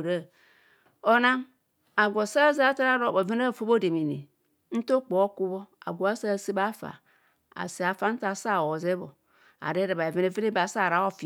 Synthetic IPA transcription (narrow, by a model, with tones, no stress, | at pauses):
ɾa˦˨ | o˦na˦ŋ | a˨ɡʷo˨sa˦za˦ta˦ɾa˦ɾo˦˨bo˨ve˦na˦˨fo˦bo˦de˨mi˨ni˨ | n̩˦to˦k͡po˨˦ku˦bo˦a̰˨ɡʷo˨a˦sa˦˨si˦ba˦fa̰˨ | a̰˨si˨a˨fa˦n̩˦ta˨sa˦˨o˨ze˦bo˨ | a̰˨ɾe˦ɾa˨ba˨e˨ve˦ne˨ve˦ne˦ba˨sa˦˨ɾa˨˦o˦fi˨